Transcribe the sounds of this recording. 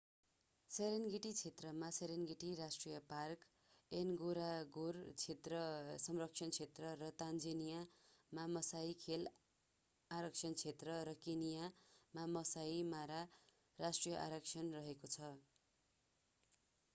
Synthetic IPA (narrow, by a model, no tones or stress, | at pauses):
seɾenɡiʈit͡sʰet̪rʌmaseɾenɡiʈiɾasʈrijʌpark | enɡoɾaɡurt͡sʰet̪rʌsʌmrʌkt͡ʃʰʌnt͡sʰet̪rʌɾʌt̪and͡zʌnijamamʌsaikʰel | aɾʌk̚t͡sʰʌnt͡sʰet̪rʌɾʌkinijamamʌsaimaɾa | rasʈrijʌʔa̰ɾʌkt͡sʰʌnrʌɦekot͡sʰʌ